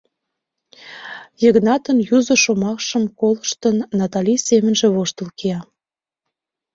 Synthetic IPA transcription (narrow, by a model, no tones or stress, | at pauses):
jəɣnɑt̪ənjuzə̆ʃomɑkʃəmkolə̆ʃt̪ənːɑt̪ɑlʲijsemə̆nʒĕβoʃt̪ə̆lkeɑ